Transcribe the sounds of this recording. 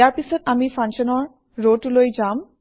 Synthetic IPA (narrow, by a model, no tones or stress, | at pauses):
aɾpisot̪amifʰanʃɔnɔɾː | oʈulojd͡ʑam